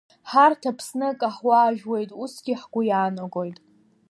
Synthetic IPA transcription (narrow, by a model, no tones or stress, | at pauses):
ħartʰapʰsnɨkʼaħwaːʒᶣwe̞jtʼusɡʲiħɡʷʊjaːnaɡʷʼo̞jtʼ